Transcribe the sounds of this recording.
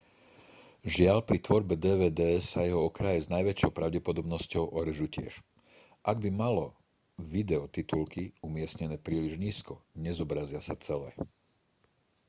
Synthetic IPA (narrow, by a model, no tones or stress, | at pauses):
ʒɪalpɾit̪ʋɔɾbɛd̪ɛːʋɛːd̪ɛːɛsajɛɦɔɔkɾajɛznajʋɛt͡ʃɔʊpɾaʊɟɛpɔd̪ɔbnɔscɔʊʔɔɾɛʒucɪɛ̰ʃ | ʔaɡ̚bimalɔ | ʋid̪ɛɔt̪it̪ulkiumɪɛsɲɛnɛːpɾiːliʒɲiːskɔɲɛzɔbɾazɪasa̰t͡sɛlɛː